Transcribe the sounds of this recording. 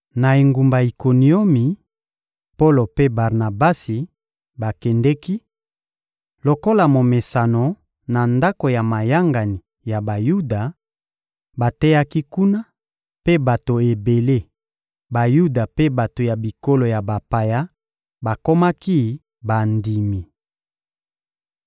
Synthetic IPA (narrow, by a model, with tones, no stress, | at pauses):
na˨e˨ŋɡu˨mba˨i˨ko˨ni˨o˦mi˨ | po˦lo˨pe˦ba˨ʁna˨ba˦si˨ | ba˨kɛ˨ndɛ˦ki˦ | lo˨ko˦la˨mo˨me˨sa˨no˨ | na˨nda˦ko˨ja˨ma˨ja˦ŋɡa˨ni˨ | ja˨ba˨ju˦da˨ | ba˨tɛ˦ja˦ki˦ku˦na˦ | pe˦ba˨to˨e˨be˨le˦ | ba˨ju˦da˨pe˦ba˨to˨ja˨bi˨ko˦lo˨ja˨ba˨pa˨ja˦ | ba˨ko˦ma˦ki˦ | ba˨ndi˨mi˨